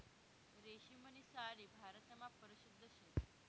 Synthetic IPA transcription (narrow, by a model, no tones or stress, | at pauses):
ɾeɕimənisaɽiːbʱaɾət̪əmapəɾiɕud̪ʱːəɕen